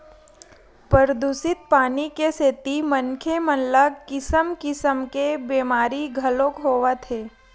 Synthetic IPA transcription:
pəɾəd̪usɪt̪̚paːnikeseːt̪imənkʰemənləɡkɪsəmkɪsəmkebeːmaːɾiɡʱɐlõkɦoːʋat̪ʰeː

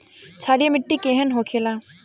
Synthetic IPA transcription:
t͡ʃʰaːɽijamɪʈːikeɦənɦõkʰela

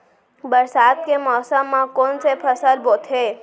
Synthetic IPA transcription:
bəɾsad̪̚kemɔːsəmːãkonsepʰəsəɾbot̪ʰe

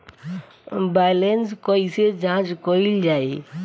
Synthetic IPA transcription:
baːjlenskoised͡ʒãːt͡ʃkoild͡ʒaːe

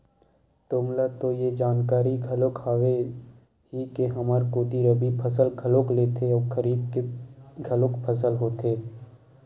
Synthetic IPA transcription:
t̪oːmlat̪ojed͡ʒaːnkaːɾiɡʱəlokaːʋe | ɦikeɦɐmaɾkoːt̪iɾəbipʰəs̬əlkʰəloːkleːt̪ʰeɔːɾkʰəɾiːb̚keɡʱəlokpʰəsəlɦoːt̪ʰeː

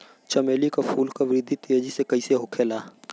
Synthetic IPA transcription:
t͡ʃəmeːlikapʰuːlkaʋɪɾɪd̪ʱit̪ied͡ʒisekɐiseɦʊkʰeːlaː

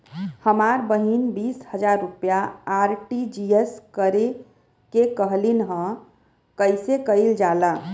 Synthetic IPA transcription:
həmaɾbəɦinbishəd͡ʒaɾːupjaːɾʈid͡ʒieskəɾe | kekəɦlinɦə̃ | kəɪsekəjld͡ʒala

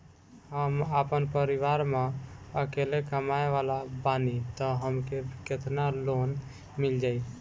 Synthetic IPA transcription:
həmapənpəɾiʋaɾmẽəkelekəmaeʋalabanit̪əɦəmkeket̪ʰnalon | mild͡ʒaj

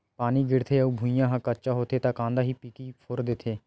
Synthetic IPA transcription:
paːniːɡɪɽt̪ʰeːəuːbʱuijãːɦãkətːt͡ʃaːɦoːt̪ʰeːt̪ãːkãːnd̪aːɦiːpikiːpʰʊɾd̪ɪt̪ʰeː

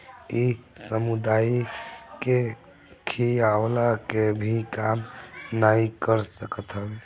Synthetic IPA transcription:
isəmud̪aike | kʰijaolakebʱikamnaikəɾsəkət̪ʰɦəb

